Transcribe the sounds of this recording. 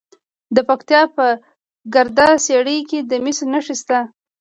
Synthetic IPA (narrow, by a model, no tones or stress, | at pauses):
d̪əpakt̪jɑpə | ɡaɾd̪ɑseɽəjked̪əmisnaʂist̪a